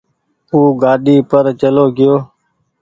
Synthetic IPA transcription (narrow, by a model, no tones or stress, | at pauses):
uːɡaːɗiːpəɾt͡ʃəloːɡɪjoː